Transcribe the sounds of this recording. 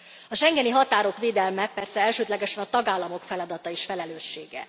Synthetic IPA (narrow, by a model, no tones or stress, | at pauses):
ɒʃɛŋɡɛniɦɒt̪aːɾo̞kʋeːd̪ɛlmɛpɛrsɛɛlʃøːd̪lɛɡɛʃɛnɒt̪ɒɡaːlːɒmo̞kfɛlɒd̪ɒt̪ɒeʃfɛlɛløːʃːeːɡɛ̰